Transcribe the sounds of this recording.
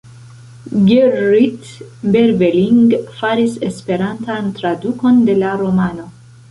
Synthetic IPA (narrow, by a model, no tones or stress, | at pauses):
ɡeɾɾitbeɾbeliŋɡfaɾise̞spe̞ɾantantɾaduko̞nde̞laɾo̞mano̞